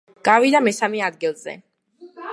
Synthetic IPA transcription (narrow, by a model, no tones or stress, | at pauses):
ɡ̥avid̪amɛsamɛad̪ɡilˠzɛ̰